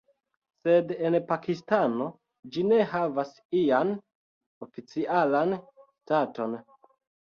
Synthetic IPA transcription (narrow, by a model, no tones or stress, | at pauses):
se̞de̞npakistano̞ | d͡ʒine̞ɦavas | ijan | ofit͡siʔalanstato̞n